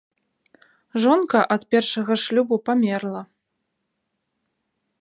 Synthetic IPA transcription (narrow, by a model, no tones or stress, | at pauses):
ʐɔnkɐʔɐt̪pʲɛrʂɐɣɐʂlʲubupamʲɛrlˠɐ